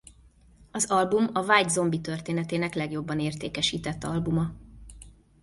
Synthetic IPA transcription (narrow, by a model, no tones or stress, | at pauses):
ɒzɒlbumɒvaːjd̪zo̞mbit̪ørt̪eːnɛt̪eːnɛklɛɡjo̞bːɒneːrt̪eːkɛʃiːt̪ɛt̪ːɒlbumɒ